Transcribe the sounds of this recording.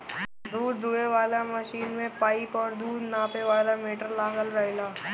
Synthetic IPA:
d̪uːɾd̪ueʋaːlaməʃiːnmẽpaːɪpɔːɾd̪uːd̪naːpeʋaːlameːʈəɾlaːɡəlɾɐelaː

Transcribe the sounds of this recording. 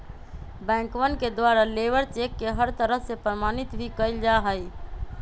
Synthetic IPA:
bɛ̃ːŋkʋənked̪waːɾaleːʋəɾt͡ʃekːeɦəɾt̪əɾəɦsepɾəmaːnɪt̪bʱikəɪld͡ʒaɦəi

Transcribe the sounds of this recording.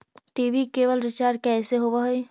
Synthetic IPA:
ʈiːʋikeːʋəlɾɪt͡ʃaːɾkɛːseɦoʋaɦoi

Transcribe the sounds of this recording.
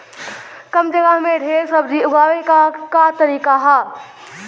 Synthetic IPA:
kəmd͡ʒəɡəɦmẽɖʱeːɾsəbd͡ʒiʊɡaːwekakat̪əɾiːkaɦaː

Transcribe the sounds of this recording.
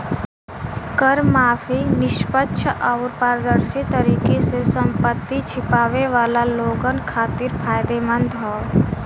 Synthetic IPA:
kəɾmaːfʰinɪʃpətːʃʰʔaʊɾpaːɾd̪əɾsit̪əɾiːkesesəmpət̪ːit͡ʃʰɪpaːʋeʋaːlaloːɡənkʰaːt̪ɪɾpʰaːjd̪emənd̪ɦɔː

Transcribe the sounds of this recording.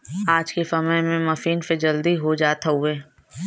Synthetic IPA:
aːd͡ʒkesɐməjmẽmɐfiːnsed͡ʒɐld̪iɦod͡ʒaːt̪ueː

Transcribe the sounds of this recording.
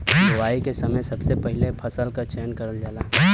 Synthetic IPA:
ɡəʋaːikesɐməjsɐbsepɐɦɪlepʰɐsəlkat͡ʃɛːnkɐɾəld͡ʒaːlaː

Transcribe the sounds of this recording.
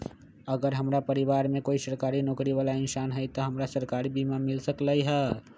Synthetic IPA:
ɐɡəɾɦɐmɾapəɾɪʋaːɾmẽkoːisəɾkaːɾinɔːkɾiʋaːlaɪnsaːnɦɛjt̪oɦɐmɾasəɾkaːɾibiːmamɪlsəklaiɦɛː

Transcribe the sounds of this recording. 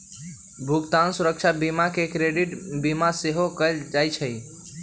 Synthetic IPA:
bʱuɡt̪ansuɾəkt͡ʃʰabimakekɾeɖiʈbimaseɦokəɪld͡ʒajt͡ʃʰəj

